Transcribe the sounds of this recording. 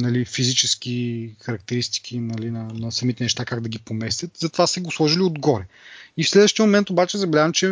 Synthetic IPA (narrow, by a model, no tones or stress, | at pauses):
nɐlifizit͡ʃɛskʲixɐɾɐk̚t̪ɛɾist̪i̥kʰʲinɐlinɐnɐsɐmit̪ɛnɛʃt̪akaɡd̪ɐɡʲipomɛst̪ʲət̪zɐt̪ovasɛɡoslˠɔʒiliod̪ɡɔɾɛ | ifslɛd̪vəʃt̪ijəmomɛnt̪obat͡ʃɛzɐbɛlʲazɐmt͡ʃɛ